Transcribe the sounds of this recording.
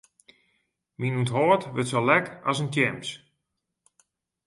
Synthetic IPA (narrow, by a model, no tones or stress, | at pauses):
minuntɦoːtʋɪtsolɛkasəntʰɛms